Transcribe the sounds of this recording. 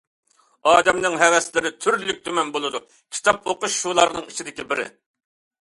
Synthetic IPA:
ɑːd̪ɛmnɨŋɦɛwɛslɪɾɪt̪ʰyɾllyk̚ʲt̪ʰømɛnbolˠɨd̪u | kʲʰi̥t̪ʰɑp̚oqʊʃːulˠɑɾnɨŋit͡ʃʰid̪ɪkʲibɪɾɪ̰

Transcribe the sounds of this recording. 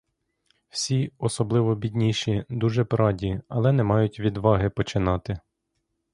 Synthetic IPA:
w̥sʲiɔsɔblˠɪʋɔbʲidʲnʲiʃid̪uʒɛpɾɑdʲiɐ̰lˠɛnɛmɑjʊtʲʋʲid̪ʋɑɦɪpɔt͡ʃɪnɑt̪ɪ

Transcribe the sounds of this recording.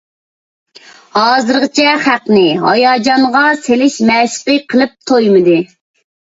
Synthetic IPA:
hɑːzɨɾʁət͡ʃʰɛχæqnɪɦɑ̰jɑːd͡ʒɑɴʁɑselɪʃmɛsɪ̥pɪqʰəlˠɨp̚t̪ʰojmɨd̪ɨ

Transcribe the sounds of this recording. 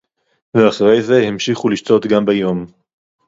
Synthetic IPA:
veaχaʁejze̞himʃiχuliʃto̞t̪ɡambejo̞m

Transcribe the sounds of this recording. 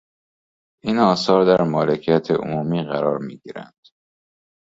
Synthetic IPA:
ʔiːnɒːsɒːɾd̪æɾmɒːlecʰijæt̪ʰeʔo̰muːmiːɣæɾɒːɾmiːɟiːɾæ̰nd̪̥

